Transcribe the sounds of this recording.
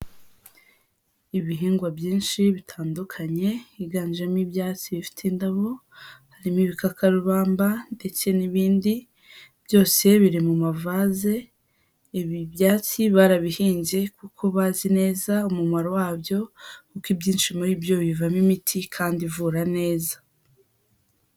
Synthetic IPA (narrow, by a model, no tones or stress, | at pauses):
iβiɦiːŋɡwabjiːnʃiβitʰaːndukʰaɲe̞iɡaːnd͡ʒamibjaːt͡siβifi̥tʰindaβo̞ | haɾimiβikakʰaɾuβaːmbande̞t͡se̞niβiːndi | bjo̞ːse̞βiɾimumavaːze̞ | iβibjaːt͡siβaɾaβihiːɲɟe̞kukʰo̞βaːzine̞ːzaumumaɾo̞waːbjo̞kukibɟiːnʃimuɾibjo̞βivamimitʰikʰaːndivuːɾane̞ːzḁ